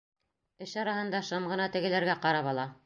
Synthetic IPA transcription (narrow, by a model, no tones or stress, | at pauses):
ɘʃɑɾɑhɤ̆nd̪ɑʃɤmʁɤ̆nɑt̪ɘ̆ɡɘ̆læɾɡæqɑɾɑβɑlˠɑ